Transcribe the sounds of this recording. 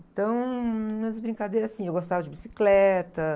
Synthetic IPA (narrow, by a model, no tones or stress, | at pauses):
t̪ɐ̃w̃ũmɐbɾĩŋkad̪ejɾɐzasĩewɡost̪avɐd͡ʒɪbisi̥klɛt̪ɐ